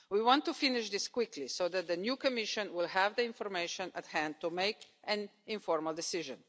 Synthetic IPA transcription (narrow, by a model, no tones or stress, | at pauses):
wiwɔ̃nt̪ːufɪnɪʃd̪ɪskwɪklisoʊd̪ɛt̪̚d̪ənjuːkɔmɪʃɔ̃nwɪlɦɛvd̪əɪ̃nfɔɾmeɪʃɔ̃nət̪hæ̃nd̪̚t̪umeɪkʔɛ̃nɪ̃nfɔɾməld̪ɛsɪʒə̃n